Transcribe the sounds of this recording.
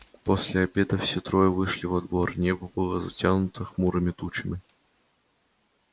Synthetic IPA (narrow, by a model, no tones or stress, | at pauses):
posʲlʲɪɐbʲed̪əfsʲet̪ɾojəvɨʂlʲɪvɐd̪vornʲebəbɨlˠəzɐ̰tʲanʊt̪əxmuɾɨmʲɪt̪ut͡ɕɪmʲɪ